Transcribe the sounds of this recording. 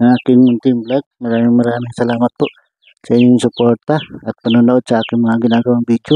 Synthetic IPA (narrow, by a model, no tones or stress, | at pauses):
ʔɐŋaːkɪŋmʊnt̪ɪŋblaɡ̚mɐɾaːmɪŋmɐɾaːmɪŋsɐlaːmɐt̪̚poʔ | sɐʔiːɲɪŋsʊpoɾt̪aɐt̪̚pɐnunoʔod̪̚sɐʔaːkɪŋmɐŋaɡɪnaːɡɐwaŋbid͡ʒjʊ